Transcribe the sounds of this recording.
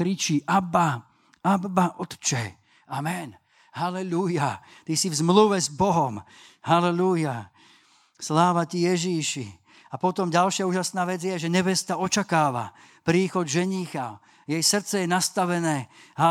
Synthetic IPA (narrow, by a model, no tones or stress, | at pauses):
kɾit͡ʃiʔaba | abbaʔɔt̪t͡ʃɛ | amɛn | halɛlujat̪isivzmluʋɛzbɔɦɔm | halɛluja | slaːʋacijɛʒiʃi | apɔt̪ɔmɟalʃɪauːʒasnaːʋɛd͡zjɛʒɛɲɛʋɛst̪aɔt͡ʃakaːʋa̰ | pɾiːxɔd̪ʒɛɲiːxa | jɛjsr̩t͡sɛjɛnast̪aʋɛnɛːha